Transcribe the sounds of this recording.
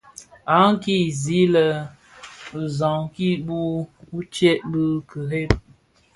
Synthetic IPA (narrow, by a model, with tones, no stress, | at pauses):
a˨˦ŋ̩˦ki˦˨zi˦lə˨ | zɔ˨ŋki˦bu˦u˦t͡ʃɛ˦ʔbə˦kə˨ɾe˦p̚